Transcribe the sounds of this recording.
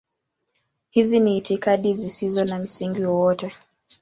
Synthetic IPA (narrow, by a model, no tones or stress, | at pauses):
hiziniːtikaɗizisizɔnam̩siŋɡiwɔwɔtɛ